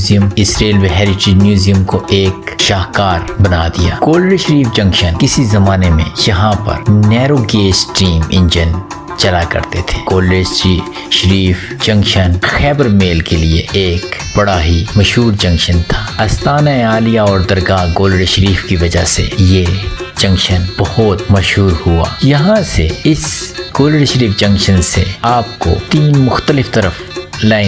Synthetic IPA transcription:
zijəmɪsɾeːlʋeɦɛːɾɪʈɪd͡ʒmjuːzijəmkoʔeːkʃaːɦkaːɾbɐnad̪ijaːkoːlɽeʃəɾiːfd͡ʒɐ̃ŋkʃənkɪsizɐmaːnemẽjɐɦãpɐ̰ɾnɛːɾoɡeːsʈiːmɪ̰̃nd͡ʒən | t͡ʃɐlakɐ̰ɾt̪et̪ʰe̥ːkoːleːi | ʃəɾiːf | d͡ʒɐ̃ŋkʃənxɛːbəɾmeːlkelieeːkb̥ɐɽaɦimɐʃɦuːɾd͡ʒɐ̃ŋkʃənt̪ʰḁːɐst̪aːnaeaːlijaɔːɾd̪ɐɾɡaːɡoːləɽʃəɾiːfkiʋɐd͡ʒaɦsḛje | d͡ʒɐ̃ŋkʃənb̥ɐhʊt̪mɐʃɦuːɾhua̰ːjɐɦãseɪsɡ̥oːləɽʃəɾiːfd͡ʒɐ̃ŋkʃənseaːpko̰t̪iːnmʊxt̪əlɪft̪ɐɾəf | laːɪ̃

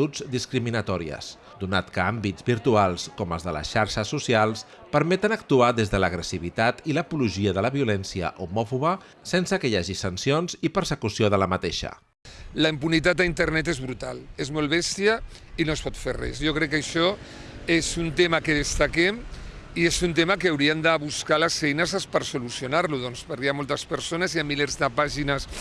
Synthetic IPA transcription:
ud͡zd̪iskɾiminət̪ɔɾiə̰s | d̪unat̪kəambid͡zbiɾt̪ualˠskɔmə̰lˠzðələ̰ʃaɾʃəsusialˠs | pəɾmɛt̪ənəkt̪uaðezðələɣɾəsiβ̞it̪at̪iləpuluʒiəðələβiulɛnsiə̰ʔumɔfuβə | sensəkəjaʒisənsionzipəɾsəkusioð̞ələmət̪eʃə̰ | ləimpunit̪at̪aint̪əɾnɛt̪ezβɾut̪a̰lezmɔlˠβɛst̪iə | inoespɔt̪ferɛ̰sjɔkɾɛkːəʃɔ | ezunt̪emakeð̞əst̪akɛm | iezunt̪emakeːwɾiəmd̪aβuskaləsfɛjnəzəspəɾsulusiunaɾluðɔnspəɾkeamɔlˠt̪əspəɾsonəzjamːilɛɾzðəpaʒinəs

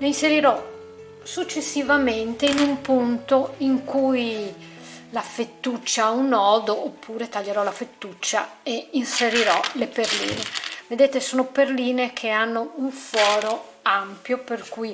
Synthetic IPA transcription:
leinseɾiɾɔ | sut͡ʃːesːivament̪einumpunt̪oiŋkuj | lafet̪ːut͡ʃːaaunɔːd̪oʔopːuːɾet̪aʎːeɾɔlafet̪ːut͡ʃːa̰einseɾiɾɔleperlḭːneved̪eːt̪esoːnoperliːnekʰeanːouɱfɔːɾo | ampjoperkuj

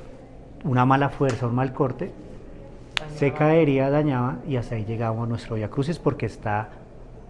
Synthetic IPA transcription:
unamalafwe̞ɾsaunmalko̞ɾt̪e̞ | se̞kaeɾiaðaɲaβaiast̪aid͡ʒe̞ɣamosanwe̞st̪ɾojakɾusispo̞ɾke̞ːst̪a

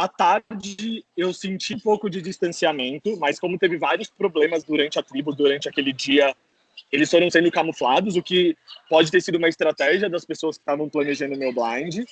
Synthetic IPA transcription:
at̪aɾd͡ʒɪewsẽnt͡ʃipowkʊd͡ʒɪd͡ʒist̪ɐ̃siamẽnt̪ʊmɐskõmʊt̪evɪvaɾjʊspɾoblẽmɐzd̪uɾɐ̃nt͡ʃɪɐt̪ɾibʊd̪uɾɐ̃nt͡ʃɪɐkelɪd͡ʒiɐ | elɪsfoɾɐ̃w̃sẽnd̪ʊkamʊflad̪ʊzʊkɪpɔd͡ʒɪt̪eɾsid̪ʊũmɐɪst̪ɾat̪ɛʒiɐd̪ɐspesoɐskɪ̥t̪avɐ̃w̃plɐ̃neʒɐ̃nd̪ʊmewblɐ̃j̃d͡ʒɪ

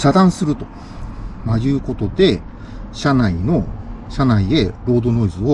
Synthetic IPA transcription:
ɕad̪ãɰ̃sɨɾɯ̟t̪o̞̥ | maɾʲɯːko̞t̪o̞d̪e̞ | ɕanaino̞ɕanaie̞ɾo̞ːd̪o̞no̞izɨo

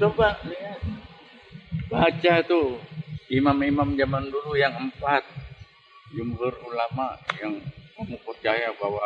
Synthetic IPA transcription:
t̪obaʔniŋa | bat͡ʃat̪u | imamimamd͡ʒamandulujaŋəmpat̪̚ | d͡ʒumhʊrulamaʔjaŋkamupərt͡ʃajabawa

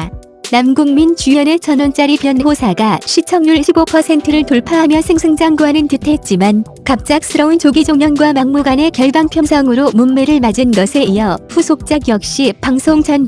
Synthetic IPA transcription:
namɡuŋmint͡ɕuʌnet͡ɕʌnont͡ɕ͈aɾipjʌnːeɦosʰaɡaɕʰit͡ɕʰʌŋɲuɭɕʰibopʰʌsʰe̞ntʰɯɾɯɭtoɭpʰaɦamjʌsʰɯŋsʰɯŋd͡ʑaŋɡwanɯntɯtʰe̞t̚t͡ɕ͈iman | kap̚t͡ɕ͈ak̚sʰɯɾʌunt͡ɕoɡid͡ʑoŋɲʌnɡwamaŋmuɡane̞kjʌɭbaŋpʰjʌnsʰʌŋɯɾomumme̞ɾɯɭmad͡ʑɯnɡʌsʰe̞ijʌɸusʰok̚t͡ɕ͈aɡjʌk̚ɕ͈ipaŋsʰoŋt͡ɕʰʌn

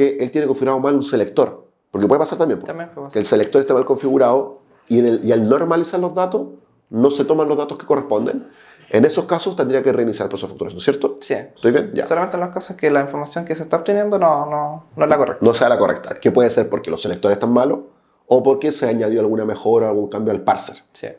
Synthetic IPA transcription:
keʔelt̪jeneko̞ɱfiɣuɾaðomalunselek̚t̪oɾ | poɾkepweepasaɾt̪ambjempot̪ambefekeːlselek̚t̪oɾest̪emalkoɱfiɣuɾaðo | ieialnoɾmalisaɾlozðat̪os | no̞set̪omanlozðat̪oske̥korehpo̞nd̪ḛn | eneso̞skasost̪end̪ɾiakere̞inisjaɾapɾosafakt̪uɾasnosjeɾt̪osit̪ojvjenɟ͡ʝa̰ssolament̪enlokasoskelaiɱfoɾmasjoŋkeset̪aop̚t̪enjend̪onononoezlakorḛk̚noselakorḛk̚t̪akepweðese̞ɾpoɾkelosːe̞lek̚t̪oɾesest̪anmalo | opoɾkeseaɲaðjoalɣuname̞xo̞ɾaoalɣuŋkambjoalpaɾseɾsḭ

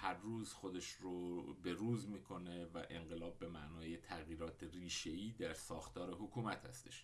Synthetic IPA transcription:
hæɾːuːzxod̪e̞ʃɾobe̞ɾuːzmiːkʰo̞nevæ̰ʔeɴɢe̞lɒːb̚ːe̞mæʔnɒːjet̪ʰæɣjiːɾɒːt̪ʰeɾiːʃe̞iːd̪æɾsɒːxt̪ʰɒːɾe̞ɦokʰuːmæt̪hæ̰st̪e̞̥̰ʃ

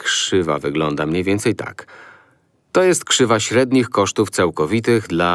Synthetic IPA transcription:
kʂɘva̰vɘɡlɔnd̪amɲejvʲjɛnt̪sɛjt̪a̰k | t̪ɔjɛst̪̚kʂɘvaɕɾɛd̪ɲixkɔʂt̪uft̪sawkɔvʲit̪ɘɣd̪la

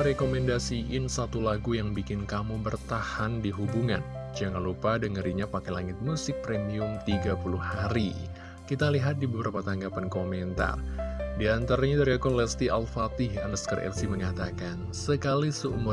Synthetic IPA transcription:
ɾekomɛndasiʔɪnsat̪ulaɡujaŋbikɪnkamubərt̪ahandiɦubuŋand͡ʒaŋanlupadəŋəɾiɲapakɛlaŋɪt̪̚musɪk̚pɾemiʊmt̪iɡapuluhaɾi | kit̪aliɦat̪̚dibəbəɾapat̪aŋɡapankomɛnt̪a̰rdiant̪aɾaɲadaɾiakɔlɛst̪iʔalfat̪ɪɦa̰nəskərʔɛ̰lsiməŋat̪akan | səkalisəumʊ

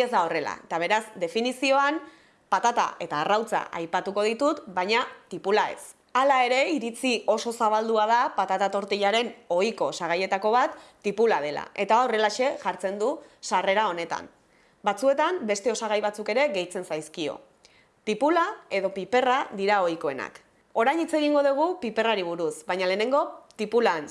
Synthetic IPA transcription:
ezd̪ao̞re̞la̰et̪aβ̞e̞ɾazd̪e̞finisio̞an | pat̪at̪a̰e̞t̪aːrawt͡sa̰ʔa̰jpat̪uko̞ð̞it̪ut̪bajɲat̪ipulae̞̰s | alae̞ɾe̞iɾit͡sio̞so̞saβald̪uaðapat̪at̪at̪o̞ɾt̪iʎaɾe̞no̞jko̞saɣ̞aje̞t̪ako̞β̞at̪ː | ipulað̞e̞la̰ʔe̞t̪aore̞laʃe̞ʝaɾt͡se̞nd̪usare̞ɾao̞ne̞t̪a̰m | bat͡sue̞t̪ambe̞st̪e̞o̞saɣ̞ajβat͡suke̞ɾe̞ɣe̞jt͡se̞nsajskio̞̰ | t̪ipulae̞ðo̞pipe̞raðiɾao̞jko̞e̞̰na̰k | o̞ɾajɲit͡se̞ɣ̞iŋɡo̞ðuɣ̞upipe̞raɾiβ̞uɾusβajɲaleːne̞ŋɡo̞t̪ipulan

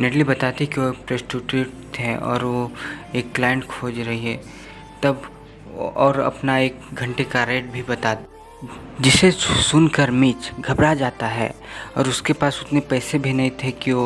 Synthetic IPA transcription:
neʈlibɐt̪aːt̪ikiopɾesʈuʈuːʈ̚t̪ʰɛ̃ɔ̰ːɾʋoeːkːlaːjə̃ɳʈkʰoːd͡ʒɾɐɦiɦɛ | t̪ɐb | ɔːɾɐ̰pnaeːk̚ɡʱɐ̃ɳʈekaɾeːʈ̚bʱibɐt̪aːt̪ | d͡ʒɪsesʊnkəɾmiːt͡ʃɡʱɐbɾad͡ʒaːt̪aɦɛ̰ːɔ̰ːɾʊskepaːsʊt̪nepɛːsebʱinɐɦĩt̪ʰekio

